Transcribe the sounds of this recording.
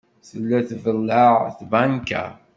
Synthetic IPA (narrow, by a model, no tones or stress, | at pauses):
θəlːæθvəlːəʁθbæŋka̰